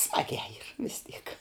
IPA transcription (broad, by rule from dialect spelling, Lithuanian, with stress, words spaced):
ˈsmɑːɡʲæː iːr ʋʲɪs tʲiːk